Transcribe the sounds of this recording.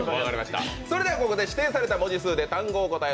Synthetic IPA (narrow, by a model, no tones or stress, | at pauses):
aɡaɾimaɕi̥t̪a̰soɾe̞d̪e̞akoko̞d̪e̞ɕi̥t̪ẽ̞ːsaɾe̞t̪amo̞d͡ʑisɨːd̪e̞t̪ãŋɡoːko̞t̪ae